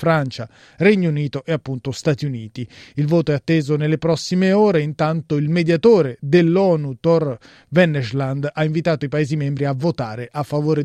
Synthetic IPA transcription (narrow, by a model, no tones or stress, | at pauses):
fɾant͡ʃa | rɛɲːouniːt̪oʔeapːunt̪ost̪at̪iuniːt̪iilvoːt̪oɛat̪ːeːzonelːepɾɔsːimeoːɾeint̪ant̪oilmed̪jat̪oːɾed̪elːɔːnut̪ɔr | vɛnːɛʃland̪aiɱvit̪aːt̪oipaeːzimɛmbɾiavːot̪aːɾeʔafːavoːɾe